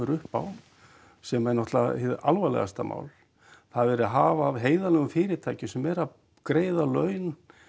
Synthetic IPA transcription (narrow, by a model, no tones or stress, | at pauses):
ʏɾʏhpa̰w | sɛmɛnɔht̪lahɪðalvalɛ̰ɣa̰st̪amʔa̰ːwl | θaðvɛɾʏaɦaːvaːvɦeːjðalɛɣʏmfɪːɾɪt̪ʰaːjcɪsɛmːɛɾa | kɾeːjðalœːɥn